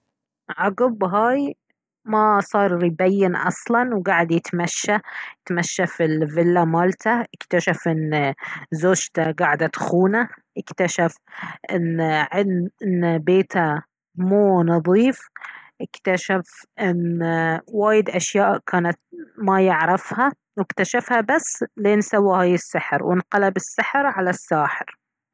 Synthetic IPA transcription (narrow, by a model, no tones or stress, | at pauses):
ʕɑɡʊbɦaːj | masˤɑːɾˤɾibajːɪnʔɑ̰sˤlɑnwɡaːʕɪd̪jɪt̪maʃːat̪maʃːafilvɪlːamaːlt̪ʰaʔɪkt̪aʃafʔɪn | zoːd͡ʒt̪aɡaːʕɪd̪at̪xuːnaʔɪkt̪aʃafʔɪnʕɪʔɪnːbeːt̪ʰa | muːnɑðˤiːfʔɪkt̪aʃafʔɪn | waːjɪd̪ʔaʃjaːʔkʰaːnat̪̚majɪʕɾˤɑfha | wɪkt̪aʃafhabasːleːnsawːihaːjɪsːɪħɾwɪ̰nqɑlabɪsːɪħɾʕalasːaːħɪɾ